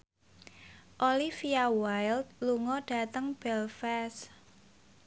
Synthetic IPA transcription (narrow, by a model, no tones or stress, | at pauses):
ʔolifiawajld̪̚luŋɔɖ̥a̤t̪əŋb̥ɛlfɛs